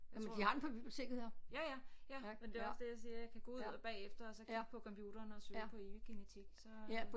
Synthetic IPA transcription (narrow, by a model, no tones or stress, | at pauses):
jæmmnd̥ihɑ̈denpʰɒb̥ib̥jot͡sʰe̝̰ɡ̥̩ɐjæjæjæmend̥e̝ɒ̽sd̥ejaɪsiːɐjäkʰæɡ̥ɔ̰uð̰ˠb̥ɛ̰ːefd̥ɐɒsɒ̽kʰiɡ̥̚pʰɒ̽kʰɒ̽mpʰjud̥ɐːnɒsøpʰɒ̽eʋiɡ̥enet͡sʰiɡ̥sɒ̽pʰ